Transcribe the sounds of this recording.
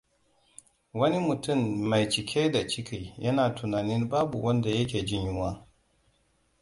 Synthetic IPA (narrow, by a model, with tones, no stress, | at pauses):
wɐ˦ni˦mʊ˨tʊ˦˨mːa˨jt͡ʃɪ˨kʲʰeː˦da˨t͡ʃɪ˦kʰʲi˨jʔɐ˦naː˨tʰu˨naː˨nɪ˦nbaː˦bṵ˨wʔɐ˦nda˨jɐ˦kʲeː˨d͡ʒɪ˦njʊ˦waː˦